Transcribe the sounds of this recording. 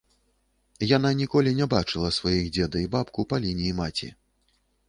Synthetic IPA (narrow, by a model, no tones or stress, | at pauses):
jananʲikɔlʲinʲɛbat͡ʂɨlˠɐsvajixd͡zʲɛd̪ɐibapkupalʲinʲiːmat͡sʲḭ